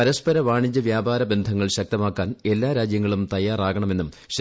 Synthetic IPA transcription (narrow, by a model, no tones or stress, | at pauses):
ɐɾɐspɐɾɐʋaːɳiɲd͡ʑɐʋjaːbaːɾɐbe̞nd̪ʱɐŋːɐɭɕɐk̚t̪ɐmaːkːaːne̞lːaːɾaːd͡ʑjɐŋːɐɭumt̪ɐjːaːraːɣɐɳɐme̞nːum | ɕ